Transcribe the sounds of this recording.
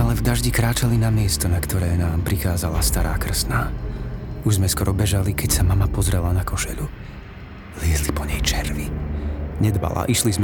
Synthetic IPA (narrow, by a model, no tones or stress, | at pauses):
alɛvd̪aʒɟikɾaːt͡ʃalinamɪɛst̪ɔnakt̪ɔɾɛːnaːmpɾixaːzalast̪aɾaːkr̩snaː | uʒzmɛskɔɾɔbɛʒalikɛcsamamapɔzɾɛlanakɔʃɛ̰lu | lɪɛzlipɔɲɛjt͡ʃɛɾʋi | ɲɛd̪ba̰la̰ʔiʃlizm